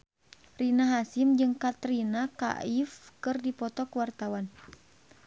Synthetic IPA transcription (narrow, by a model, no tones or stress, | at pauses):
rinaɦasimd͡ʒɨŋkat̪ɾinaka̰ifkɨrdipɔt̪ɔkəwart̪awan